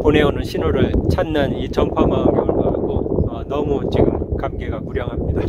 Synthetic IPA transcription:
pone̞onɯnɕʰinoɾɯɭt͡ɕʰanːɯnit͡ɕʰʌŋkʰwamamjiɯɭɡak͈oʌnʌmut͡ɕiɡɯmkamɡe̞ɡakuɾjʌŋɦamɲida

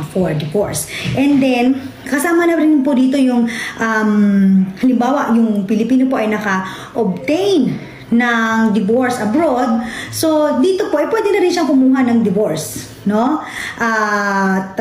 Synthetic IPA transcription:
foɹd̪ɪvoɹsʔɛnd̪ɛnkɐsaːmɐnɐɾɪnpod̪iːt̪o̞jʊŋʔɐmhɐlɪmbaːwɐʔjʊŋpɪlɪpiːnopo̞ʔɐjnɐkɐ | ʔob̚t̪ɛjn | nɐŋd̪ɪvoɹsʔɐbɾo̞d̪̚so̞d̪iːt̪o̞po̞ʔɐɪjpwɛːd̪ɛnɐɾɪnʃɐŋkʊmuːɦɐnɐŋd̪ɪvoɹs | no̞ʔa | t̪

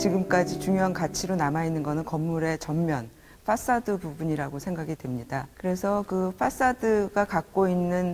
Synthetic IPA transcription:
t͡ɕiɡɯmk͈ad͡ʑit͡ɕuŋjoɦankat͡ɕʰiɾonamainːɯnɡʌnɯnkʌmːuɾe̞t͡ɕʌmːjʌn | ɸʰas͈adɯbubuɲiɾaɡosʰe̞ŋɡaɡidwe̞mɲidakɯɾe̞sʰʌkɯɸʰas͈adɯɡakak̚k͈oinːɯn

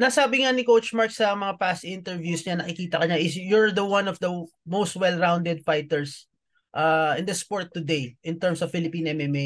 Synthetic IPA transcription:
nɐsaːbɪŋanɪkowt͡ʃmaɹksɐmɐŋapast̪ʔɪ̃nt̪ɛɹvjusɲanɐkɪkiːt̪ɐkɐɲaʔɪsjɔɹd̪ɐwɐ̃nɔvd̪ɐmowst̪̚wɛlɹãwnd̪ɛd̪̚fajt̪ɛɹs | ʔaʔɪ̃nd̪ɐspoɹt̪ːʊd̪ejʔɪ̃nt̪ɛɹmsɔvfɪlɪpĩːnʔɛmɛme

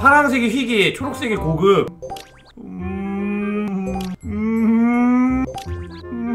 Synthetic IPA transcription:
haɾaŋsʰeɡeɸiɡiet͡ɕʰoɾok̚s͈eɡekoɡɯm

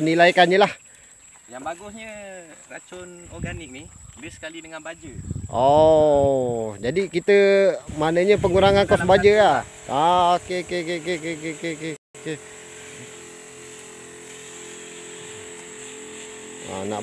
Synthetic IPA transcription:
ənilajkanɲəlah | jaŋbaɡusɲərat͡ʃʊnɔɡanɪk̚nibəsə̥kalidəŋanbad͡ʒəʔɔ | d͡ʒadikit̪əmanəɲəpəŋuɾaŋankɔsəmbad͡ʒəa | aokekekekekekekeke | ke | a̰na̰

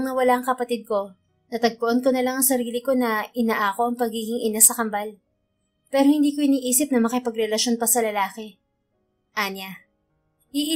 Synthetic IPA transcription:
ŋnɐwɐlaʔɐŋkɐpɐt̪ɪd̪̚ko̞ | nɐt̪ɐɡ̚p̪oʔonko̞nɐlaŋɐŋsɐɾiːlɪko̞nɐʔɪnaʔaːko̞ʔɐŋpɐɡiːɡɪŋʔɪnasɐkɐmbal | pɛːɾo̞hɪ̃nd̪iːkoɪniːʔiːsɪp̚nɐmɐkɪpɐɡɾɛlɐʃo̞npɐsɐlɐlaːkɛ | ʔana | iʔ

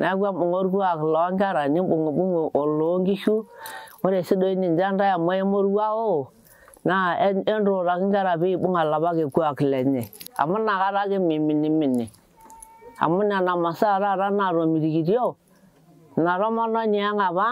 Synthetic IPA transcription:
naɡabuŋoɾɡuaklɔŋɡaɾanibuŋubuŋʔoloŋɡiʃuoɾesidoinind͡ʒandajamoemoɾɡao | naenɾoɾakiŋɡaɾabiibuŋalabaɡeɡuakilɛɲea̰munaɣaɾaɡemiminiminːi | a̰munanamasaɾaɾanaɾomiɾiɡidijo | naɾomɔnoniaŋaβa

